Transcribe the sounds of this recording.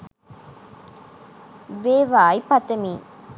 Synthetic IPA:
ʋeːʋaːipɐt̪emiː

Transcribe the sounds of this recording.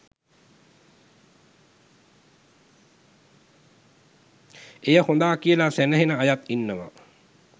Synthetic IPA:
ejəhond̪aːkiəlasænəɦenəajat̪inːəʋa̰

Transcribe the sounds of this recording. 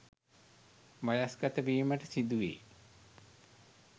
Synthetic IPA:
mɐjasɡɐt̪əbiːməʈəsid̪uʋḛː

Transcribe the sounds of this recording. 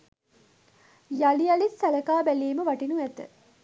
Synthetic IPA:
jalijalissæləkaːbæliːməʋaʈinuæt̪ə̰

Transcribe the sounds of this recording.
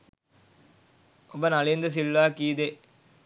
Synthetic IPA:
obɐnɐlend̪ɐs̬ilːaːkiːd̪e

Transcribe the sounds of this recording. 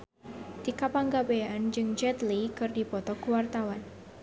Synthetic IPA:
t̪ikapaŋɡabeaand͡ʒɨŋd͡ʒɛt̪likɨrdipɔt̪ɔkuwart̪awan

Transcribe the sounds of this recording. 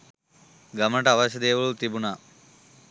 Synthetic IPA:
ɡɐmnɐʈɐɐʋɐɕɐd̪eːʋuɭut̪ibunaː

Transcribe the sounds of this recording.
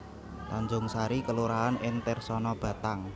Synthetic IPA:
laɲd͡ʒʊŋsaɾikəluɾaɦanɪnt̪ɛrsɔnɔb̥ä̤t̪aŋ

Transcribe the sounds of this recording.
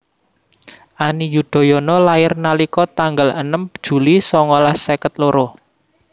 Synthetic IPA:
ʔanijud̪̥ɔ̤jɔnɔlaɪrnalikɔt̪aŋɡalənəmd̥ʒ̥ṳlisɔŋɔlahsekət̪̚loɾo

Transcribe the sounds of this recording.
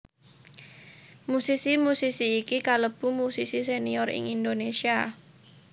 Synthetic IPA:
musisimusisiːkikaləb̥umusisis̬eniɔrɪ̰ŋind̪onesia

